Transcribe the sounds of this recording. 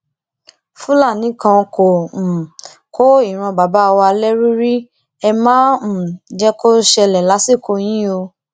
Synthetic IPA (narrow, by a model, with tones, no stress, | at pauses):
fũ˦la˦˨nĩ˨˦kã˧ko˨ | kʰo˦i˦˨ɾ̃ã˧˨ba˨ba˦˧wa˧lɛ˦ɾu˦ɾi˦ | ɛ˧mãː˦˨d͡ʒɛ˦ko˦ʃɛ˧lɛ˨la˨˦si˦˨ko˧j̃ĩ˦o˧